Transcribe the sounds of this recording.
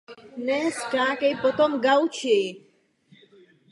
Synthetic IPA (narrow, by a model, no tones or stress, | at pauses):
nɛskãːkejpɔt̪ɔmɡawt͡ʃʰe